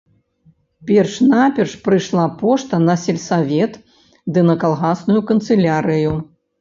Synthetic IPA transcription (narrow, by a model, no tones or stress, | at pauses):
pʲɛrʂnapʲɛrʂpɾɨʂlˠapɔʂt̪ɐnɐsʲɛlʲsavʲɛt̪ | d̪ɨnɐkalˠɣasnujukɐnt̪sɨlʲaɾɨju